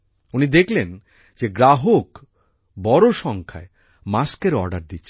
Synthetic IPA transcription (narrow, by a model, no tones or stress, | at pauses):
unid̪ekʰlen | d͡ʑeɡɾaɦok | bɔɾoʃɔŋkʰae | maskeɾɔ̰ɾɖaɾd̪itːʰe